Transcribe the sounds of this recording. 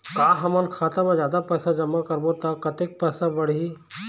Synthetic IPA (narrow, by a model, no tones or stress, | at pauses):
kaːɦɐmənkʰaːt̪amãd͡ʒjaːd̪apɛːsãd͡ʒɐmːakəɾbot̪akɐt̪ek̚pɛːsãbəɽii